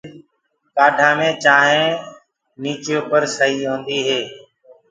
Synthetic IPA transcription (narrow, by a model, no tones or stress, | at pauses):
kaːɖʱãːmẽːt͡ʃaːɦẽː | niːt͡ʃjõːpəɾsəɦiːɦõːnd̪iːɦeː